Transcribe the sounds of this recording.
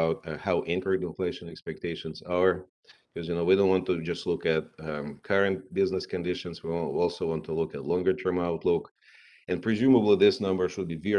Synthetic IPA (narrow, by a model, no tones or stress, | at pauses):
ʊt̚haʊʔɪ̃nkə˞ɨ̃dɨ̃nfleɪʃɨ̃nɛkspɛk̚tʰeɪʃɨ̃nzə˞ | kʰɔzjɨnoʊwidõʊ̃ntwɑ̃ntɨd͡ʒʌstˡlʊkɨt̚kʰʌɹɨ̃nt̚bɪznɨskɨ̃ndɪʃɨ̃nzwiwɔlˠsoʊwɑ̃ntʰulʊkɨtlɔ̃ŋɡə˞tʰɜ̃˞maʊtˡlʊk | ɨ̃npʰɹ̥ɨzjʉməbl̩ˠiðɪsnʌ̃mbə˞ʃʊd̚bivɛ